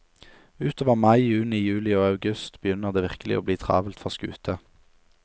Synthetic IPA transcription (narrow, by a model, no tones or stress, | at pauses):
ʉːt̪ʰoːʋəʁmɑɪjʉːnɪjʉːlɪoːɑʉɡʉst̪bəjʏnəʁd̪eːʋɪʁkəlɪʔoːbliːt̪ʰʁɑ̰ːʋəlt̪fɔʁskʉ̰ːt̪ʰə